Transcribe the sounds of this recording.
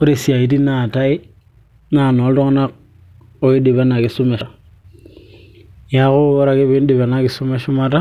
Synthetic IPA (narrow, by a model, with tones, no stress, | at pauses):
o˦ɾe˨si˨a˨i˨ti˦na˨ta˦i˦ | na˦˨no˨˦o˦ŋ˦na˦k̚ | o˦i˦di˨be˦na˨ki˨su˦me˨a˨ | ja˨˦ku˦o˦ɾa˨ki˦βi˦di˨be˨na˦ki˨su˦me˦ʃu˦ma˦ta˦